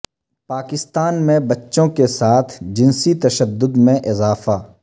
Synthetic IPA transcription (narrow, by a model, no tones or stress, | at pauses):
paːkɪst̪aːnmẽbɐtːʃõkesaːt̪ʰd͡ʒɪnsit̪ɐʃəd̪ːʊd̪mẽʔɪzaːfaː